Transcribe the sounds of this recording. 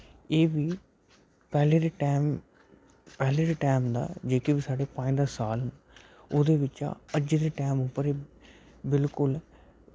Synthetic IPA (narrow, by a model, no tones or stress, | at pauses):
eːbiː | pɛːleːd̪eːʈaːm | pɛːleːɾeːʈɛːmd̪a̰ːd͡ʒeːkibiːsaːɖeːpãːĩːd̪aːsaːln | oːd̪eːʋɪt͡ʃa̰ːəd͡ʒd̪eːʈɛːmʊpːəɾeː | bɪlkʊl